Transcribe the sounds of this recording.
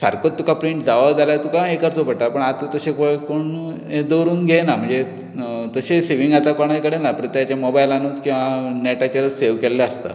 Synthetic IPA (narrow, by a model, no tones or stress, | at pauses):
sa̰ɾkott̪ːukʰapɾiɳʈd͡zaʋad͡zaljat̪ukaekəɾt͡sopəɽʈ̪apəɳat̪t̪əɕekoɭkoɳ | ed̪əɾuːnɡʱenam̤əɳd͡ze | t̪əɕeseʋiŋɡat̪akɔɽ̃ajkəɽenapɾət̪əjat͡ɕamobajlanũːt͡skĩw̃ʋanɛʈat͡ɕaɾseʋkɛlːeəst̪a̰